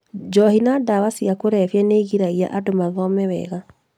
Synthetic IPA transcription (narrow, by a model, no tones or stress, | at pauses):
d͡ʒɔhinadawasiakoɾɛfjɛneɣiɾaia̰ʔadomaðɔmɛwɛ̰ɣa